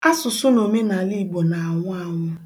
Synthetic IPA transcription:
a˦sʊ˨sʊ˦no˨me˦na˨li˦˨ɡ͡bo˨na˨a˨ŋʷʊ˦a˦˨ŋʷʊ˦

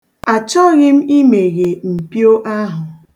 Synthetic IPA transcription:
a˨t͡ʃɔ˦ɣɪ˦m̩˦i˦me˨ɣe˨m̩˨pjo˦ʔa˦ɦʊ˨

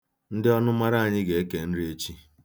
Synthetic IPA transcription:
n̩˦dɪ˦ɔ˦nʊ˦ma˦ɾa˦a˨ɲɪ˦ɡe˨e˦ke˨n̩˦ɾɪ˦e˦t͡ʃi˦

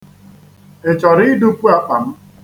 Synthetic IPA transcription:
e˨t͡ʃɔ˨ɾɪ˦du˦kʷu˦a˨k͡pa˨m̩˦

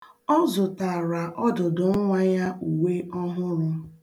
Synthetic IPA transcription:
ɔ˦zʊ˨ta˨ɾa˨ʔɔ˦dʊ˨dʊ˨ŋ̩˦ŋʷa˦ja˦u˨we˦ɔ˦ɦʊ˦ɾʊ˦

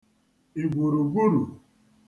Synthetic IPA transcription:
i˨ɡʷu˨ɾu˨ɡʷu˦ɾu˨

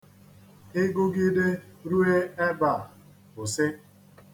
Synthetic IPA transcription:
ɪ˦ɡʊ˦ɡɪ˦de˦ɾu˦e˦e˦ba˨ | ʊ˨sɪ˦

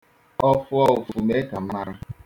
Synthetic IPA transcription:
ɔ˦fʊ˦ɔ˦ʊ˨vʊ˨me˦ka˨m̩˦na˦ɾa˦

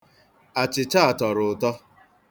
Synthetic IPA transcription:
a˨t͡ʃɪ˨t͡ʃa˦a˨tɔ˨ɾʊ˨tɔ˦

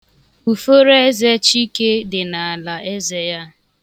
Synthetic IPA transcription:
u˨fo˦ɾe˦e˦ze˦t͡ʃi˦ke˦dɪ˨na˨a˨la˨ʔe˦ze˦ja˦

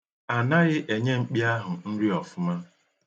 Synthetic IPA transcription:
a˨na˦ɣɪ˦ʔe˨ɲe˦ŋ͡m̩˦k͡pi˦a˦ɦʊ˨n̩˦ɾi˦ɔ˨fʊ˦ma˦

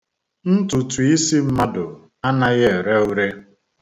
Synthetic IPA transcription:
n̩˦tu˨tu˨i˦si˦m̩˦ma˦dʊ˨ | a˦na˦ɣje˦e˨ɾe˦u˦ɾe˦

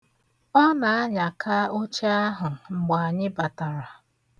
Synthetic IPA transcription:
ɔ˦na˨a˦ɲa˨kʰa˦o˦t͡ʃe˦a˦ɦʊ˨ŋ͡m̩˨ɡ͡ba˨a˨ɲɪ˦ba˨ta˨ɾa˨

